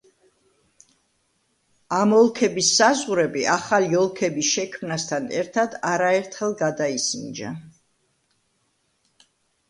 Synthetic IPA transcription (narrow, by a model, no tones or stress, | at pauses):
amɔlˠkʰɛbisːazʁuɾɛbiʔaχaliɔlˠkʰɛbisʃɛkʰmnast̪ʰanɛ̰ɾt̪ʰad̪aɾaɛɾt̪ʰχɛlˠɡad̪aisind͡ʒa̰